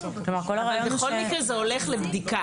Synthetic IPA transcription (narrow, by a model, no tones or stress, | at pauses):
lomaʁkolaʁalbexo̞lmikʁezeo̞le̞χlebd̪ika